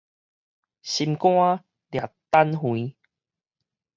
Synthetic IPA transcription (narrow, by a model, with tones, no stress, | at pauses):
ɕi˧mkw̃ã˦ | lja˨˩t̪ːa˦nɦwĩ˨˦